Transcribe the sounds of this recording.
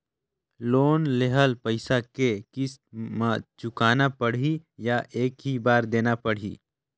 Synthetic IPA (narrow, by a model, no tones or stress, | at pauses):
loːnleɦəlpəɪsakekɪsmat͡ʃʊkaːnapəɽ̤ijaʔeːkɦibaːɾd̪eːnapəɽ̤ḭː